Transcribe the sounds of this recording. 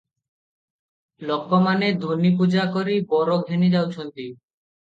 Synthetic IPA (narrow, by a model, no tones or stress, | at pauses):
lɔkːomaned̪ʱuɾnip̬ud͡ʑakoɾibɔɾoɡʱenid̪awt͡ɕʰont̪i